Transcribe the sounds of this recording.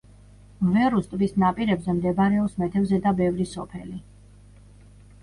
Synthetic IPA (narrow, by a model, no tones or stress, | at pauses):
vɛɾust̪ʼbisnapʼiɾɛbzɛmd̪ɛbaɾɛɔsmɛt̪ʰɛvzɛd̪abɛvɾisɔpʰɛ̰li